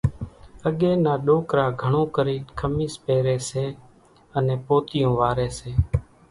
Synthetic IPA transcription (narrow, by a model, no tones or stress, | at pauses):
əɠeːnaːɗoːkɾaːɡʱəɳõːkəɾiːkʰəmiːspeːɾeːseː | ənẽːpoːt̪ɪjõːʋaːɾeːseː